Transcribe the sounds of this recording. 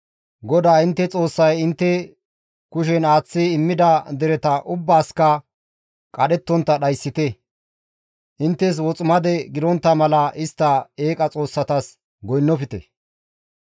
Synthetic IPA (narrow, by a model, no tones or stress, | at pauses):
ɡɔd̪aːɪnt̪ːɛt͡sʼo̞ːsːɐjɪnt̪ːɛ | kʊʃɛnaːt͡sːiɪmːɪd̪ɐd̪ɛɾɛt̪ɐʔʊbːaːskɐ | kʼɐɗɛt̪ːɔnt̪ːɐɗɐjsːɪt̪ɛ | ʔɪnt̪ːɛs̬wɔt͡sʼʊmɐd̪ɛɡɪd̪ɔnt̪ːɐmɐlɐʔɪst̪ːɐeːkʼɐt͡sʼo̞ːsːɐt̪ɐs | ɡɔjnːɔfɪt̪ɛ